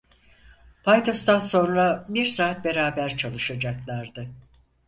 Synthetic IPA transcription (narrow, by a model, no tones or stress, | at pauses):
pʰajt̪ʰo̞st̪anso̞nɾabiɾsaːt̪̚be̞ɾaːbæɾt͡ʃʰalˠɯʃad͡ʒaklˠaɾd̪ɯ